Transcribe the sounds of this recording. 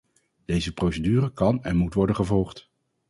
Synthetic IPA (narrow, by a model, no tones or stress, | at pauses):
d̥ejzəprowsədyːrəkɑnɛnmutʋɔɹdənχəvɔlˠχt